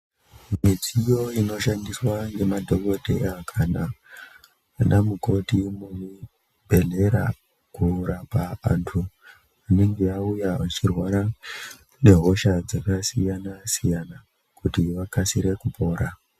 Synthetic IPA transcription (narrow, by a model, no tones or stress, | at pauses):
mid͡zijo̞ino̞ʃandiswaŋɡe̞madʱo̞ko̞dʱe̞akʰanaː | nʔamuko̞timumu | bʱe̞ɮe̞ɾa̰ | kuɾapaʋa̰ntʰu | ane̞ŋɡe̞jaujaʋat͡ʃirwaɾa | ne̞ɦo̞ʃad͡zakasijanasijana | kutiʋakasiɾe̞kupʰo̞ːɾa